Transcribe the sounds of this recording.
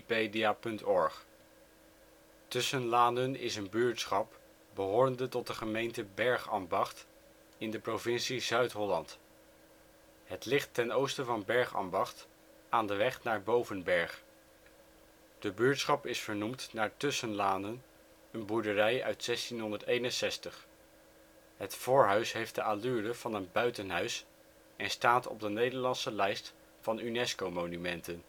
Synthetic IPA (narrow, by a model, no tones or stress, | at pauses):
pediapɵntɔɹχ | tʏsənlaːndənɪ̰sənbyɹtsχɑp | bəɦoːɹəndətɔt̚dəχəmejntəbɛɹχɑ̰mbɑχt | ɪndəprovɪnsizœɥtɦɔlɑnt | ɦətlɪχtɛnowstəvɑnbɛɹχɑ̰mbɑχt | aːndəʋɛχnaːɹbowvənbɛɹχ | d̥əbyːɹtsχɑpɪsfəɹnumtnaːɹtʏsənlaːndən | ənbuɹdərɛjœ̰ɥtsɛstinɦɔndəɹtejnənsɛstəχ | ɦətfʊːɹɦœɥsɦejfd̥əʔalyːdəv̥ɑnənbœɥtənɦœɥs | ɛnstaːtɔ̰b̚dənejdəɹlɑnsəlɛjst | fɑnynɛskowmonymɛntən